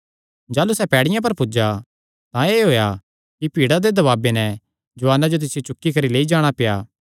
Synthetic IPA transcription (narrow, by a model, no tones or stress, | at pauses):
d͡ʒaːlusɛpɛːɽɪjãp̬ɐɾpʊd͡ʒa | t̪ãeːɦoːja | kipiːɽad̪ed̪ɐβaːbenɛ | d͡ʒʊʋaːnad͡ʒot̪̬ɪsɪjot͡ʃʊkːikɐɾileːid͡ʒaːɽ̃apejaː